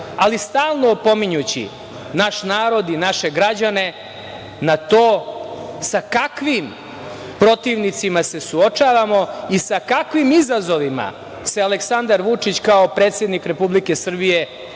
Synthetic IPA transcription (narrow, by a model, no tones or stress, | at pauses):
alist̪aːlˠnopo̞miɲut͡ɕḭ | naʃnaːɾo̞d̪inaʃe̞ɡɾad͡ʑane̞ | nat̪o̞ː | sakakʋim | pɾo̞t̪iːʋnit̪simase̞suot͡ʂaːʋamo̞isakakʋimizazo̞ʋima̰ | sealeksand̪aɾʋut͡ʂit͡ɕkaopɾe̞ːt̪sje̞d̪nikɾe̞publike̞sr̩bije̞